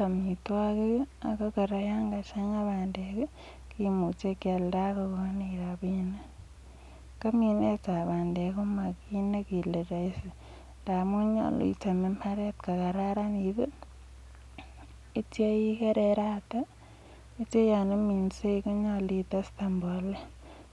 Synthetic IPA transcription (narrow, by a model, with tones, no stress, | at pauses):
ka˨mi˨twakea˨ka˦ka˨ɾa˨ja˦ŋɡat͡ʃa˦ɲaβaːndeke˦ | kimut͡ʃe˦kja˨lda˦kako˦niɾaβina | ka˦mi˨ne˦t͡sa˨βaː˨nde˨ku˦ma˨kine˦ki˨le˨ɾa˨i˦si | nda˨muɲa̰˨l̰ḭ˨ta˨me˦mpʰa˦ɾe˦tka˨ka˨ɾa˦ɾa˦niβi˦ | i˦tje˦ji˦ke˦ɾeɾata˦ | i˦t͡ʃe˦ja˨ne˦mi˨nse˦iku˦ɲali˦ta˦sta˨mbo˨le˦